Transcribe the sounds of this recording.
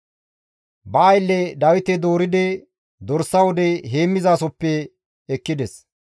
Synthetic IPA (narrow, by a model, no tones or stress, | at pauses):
bɐɐjlːɛd̪ɐwɪt̪ɛd̪o̞ːɾɪd̪ɛ | d̪ɔɾsːɐwɔd̪ɛɦeːmːɪzaːsɔpːɛː | kːɪd̪ɛs